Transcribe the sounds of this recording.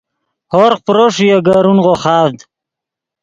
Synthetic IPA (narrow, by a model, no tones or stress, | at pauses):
hoɾqpɾoʂjeɡaɾunʁoχɑːvd̪